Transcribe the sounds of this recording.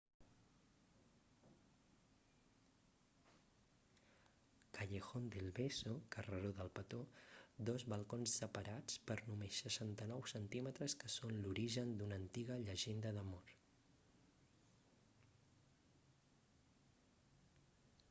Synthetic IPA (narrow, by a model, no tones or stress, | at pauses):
kəʎexond̪elˠβesokərəɾoðəlˠpət̪od̪ɔzβəlˠkonsːəpəɾat͡spəɾnumesːəʃant̪ənɔwsənt̪imət̪ɾəskəsonluɾiʒənd̪unənt̪iɣəʎəʒend̪əðəmoɾ